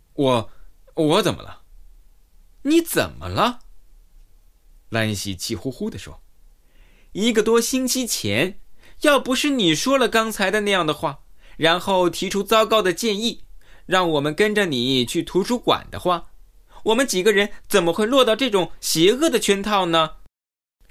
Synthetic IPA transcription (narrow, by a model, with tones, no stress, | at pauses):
wɔ˨˧˩ | wɔ˧˥t͡sə˨˩nmʔə̰˦lə̰˧˦ | ni˧˥t͡sə̰˨˩nmə̰˦lə˧ | la˧˥nɕi˧˥t͡ɕʰi˥˩xu˥xu˥d̪ə˨ʂwɔ̰˥ | i˧˥ɡə˧t̪wɔ˥ɕi˥ŋt͡ɕʰi˥t͡ɕʰjɛ̰˧˥njɑ˥˩ʊpu˧˥ʂɻ̩˥˩ni˨˩ʂwɔ˥lə˨kɑ˥ŋt͡sʰa˧˥ɪd̪ə˧na˥˧jɑ˥˩ŋd̪ə˩xwa˥˩ɻa˧˥nxo˥˩ʊt̪ʰi˧˥ʈ͡ʂʰu˥t͡sɑ˥ʊkɑ˥ʊd̪ə˨t͡ɕjɛ˥˧ni˥˩ɻɑ˥˩ŋwɔ˨˩mə˦nkə˥nʈ͡ʂə˨ni˨˩˦t͡ɕʰy˥˩t̪ʰu˧˥ʈ͡ʂʰu˥kwa̰˨˩nd̪ə̰˦xwa˥˩ | wɔ˨˩mə˦nt͡ɕi˨˩ɡə˦ɻə˧˥nt͡sə˨˩nmə˦xwe˥˧ɪlwɔ˥˧t̪ɑ˥˧ʊʈ͡ʂɤ˥˩ʈ͡ʂʊ˨˩ŋɕjɛ˧˥ɤ˥˩d̪ə˩t͡ɕʰɥɛ˥nt̪ʰɑ˥˩ʊnə˩